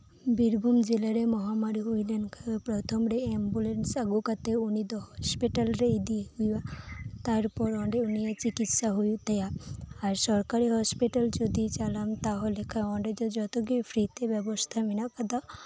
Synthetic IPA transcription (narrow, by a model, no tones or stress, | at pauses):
biɾbʱumd͡ʒelaɾemɔɦamaɾiɦujlenkʰapɾɔt̪ʰɔmɾeembulensaɡukat̪eunid̪ɔɦɔspiʈalɾeid̪iɦujat̪aɾpɔɾɔɳɖeunijat͡ʃikit̪ʃaɦujt̪ejaaɾsɔɾkaɾiɦɔspiʈald͡ʒod̪it͡ʃalamt̪aɦolekʰaɔɳɖed͡ʒ̪ɔd͡ʒɔt̪oɡipʰɾit̪ebɛbɔst̪ʰaminakad̪a